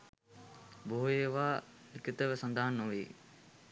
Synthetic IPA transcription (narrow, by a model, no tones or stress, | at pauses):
boɦujeːʋaː | ikit̪əʋəsɐnd̪aɦanːoʋiː